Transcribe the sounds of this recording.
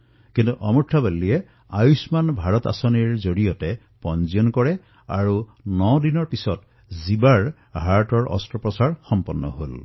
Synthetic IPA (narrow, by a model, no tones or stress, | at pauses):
kintuʔɔmuʈʰːabalːijɛ | ajusmanbʱaɹɔt̪a̰sɔniɹzoɹijɔtɛ | pɔnziɔnkɔɹɛ | a̰ɹunɔdinɔɹpisɔt | zibaɹ | ɦaɹtɔɹɔ̰stɹɔpɹɔsaɹxɔmpɔnːɔ̰ɦol